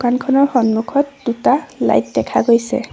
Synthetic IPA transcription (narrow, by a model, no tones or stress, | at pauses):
kankʰɔnɔɹxɔnmukʰɔt̚d̥utala̰jt̚dɛkʰaɡojsɛ̰